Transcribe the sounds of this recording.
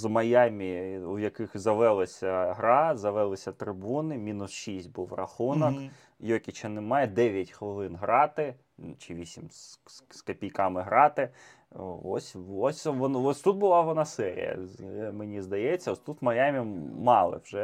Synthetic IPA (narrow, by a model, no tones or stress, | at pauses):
zmɐjamʲiʊjɐkɪxzɐʋɛlˠɐsʲɐɦɾɑzɐʋɛlˠɪsʲɐt̪ɾɪbunɪmʲinʊsʃisʲt̚ʲbuwrɐ̰xunɔk | jɔkʲit͡ʃɐnɪmɑjɛd̪ɛʋʲjɐtʲxʋɔlˠɪnɦɾɑt̪ɪ | t͡ʃɪʋʲisʲimsskɐpʲijkɑmɪɦɾɑt̪ɪ | ɔ̰sʲɔsʲʋɔnɔsʲt̪ut̪̚bʊlˠɑʋɐnɑsɛɾʲḭjɐ̰menʲizd̪ɐjɛt͡sʲːɐɔsʲt̪ut̪mɐjamʲimɑlˠɪ̰wʒɛ